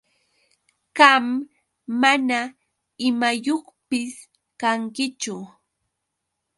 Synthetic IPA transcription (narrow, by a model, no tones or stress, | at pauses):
ɢɑmː | ana | ɪmajoχpɪs | kaŋkɪt͡ʃʊ